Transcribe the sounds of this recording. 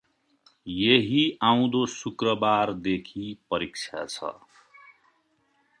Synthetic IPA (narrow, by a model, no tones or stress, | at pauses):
jeɦiãw̃d̪osukrʌbard̪ekʰipʌɾik̚t͡sʰja̰t͡sʰʌ̰